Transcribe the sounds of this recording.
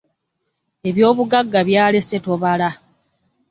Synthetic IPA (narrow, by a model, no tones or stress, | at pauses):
e̞βjo̞ːβuɡaɡːaβjaːle̞seto̞βala